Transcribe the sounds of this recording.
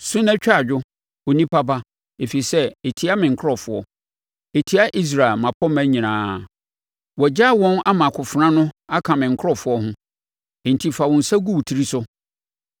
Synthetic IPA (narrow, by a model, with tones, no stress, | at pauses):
sʊ˦nã˦t͡ɕᶣa˦a˦˨d͡ʑᶣʊ˦ | o˨nĩ˦pʰa˦ba˦ | e˨fi˨sɛ˦e˨tʰi˦a˦mɪ̃˨ŋ̩˨kʰɔ˨fʊ˨ɔ̰˦ | e˨tʰi˨˦a˦ʔi˦s̬ɾa˨ɪ˨lmã˨pʰɔ˦mæ̃˦ɲĩ˨ãː˨˦ | wɔ˨d͡ʑa˦˨wɔ̃˦na˦mã˨kʰʊ˨fɾã˦nʊ̃˦a˦kʰã˨mɪ̃˨ŋ̩˨kʰɔ˨fʊ˨˦ɔ˦ɦʊ̃˦ | e˨n̩˨tʰi˨fa˨wɔ̃˨n̩˨sa˦ɡu˦wtʰi˨ɾi˦sʊ˦